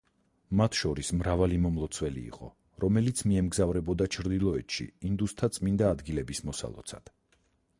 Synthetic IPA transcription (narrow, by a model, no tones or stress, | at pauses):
mat̪ʰʃɔɾismɾavalimɔmlˠɔt̪sʰwɛlḭːqʼɔ̰ | ɾɔmɛlit̪sʰmiɛmɡzavɾɛbɔd̪at͡ʃʰɾd̪ilˠɔɛt̪ʃḭind̪ust̪ʰat̪sʼmind̪aːd̪ɡilɛbismɔsa̰lˠɔ̰t̪sʰa̰d̪̥